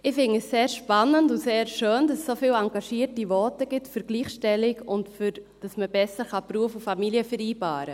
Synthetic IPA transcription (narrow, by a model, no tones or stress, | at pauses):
ɪfɪnəsseːɾʃpɑnəndʊseːɾʃøːndɑssofiːlɑŋɡɑʃiːtiʋɔtəɡɪtfyɾɡliːχʃtɛlɪkʊntfyd̥ɑsməbɛsəɾχɑpɾuəfufɑmiliəfəɾiːbɑːɾə